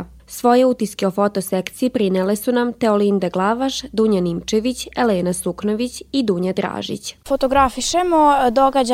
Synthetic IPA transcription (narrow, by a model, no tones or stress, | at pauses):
sʋo̞je̞ut̪iskeofo̞t̪osekt̪sijipɾinelesunamt̪eolind̪aɡlˠaʋaʃd̪uɲanimt͡ʃeʋit͡ɕeleːnaslukno̞ʋit͡ɕid̪uːɲad̪ɾa̰ːʒḭt͡ɕfot̪oɡɾafiʃemod̪oɡad͡ʑ